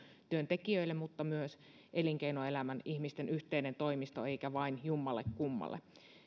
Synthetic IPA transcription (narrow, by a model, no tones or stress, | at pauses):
t̪yønt̪ekiøilːemmut̪ːɑmyøs | ʔeliŋkeinoe̞læmænihmist̪enyht̪einent̪o̞imist̪oeikæʋɑinjumːɑlːekkumːɑ̰lːḛ